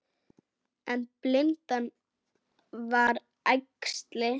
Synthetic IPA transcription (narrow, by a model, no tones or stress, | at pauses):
ɛnplɪnt̪an | vaɾ | ajkst̪lɪ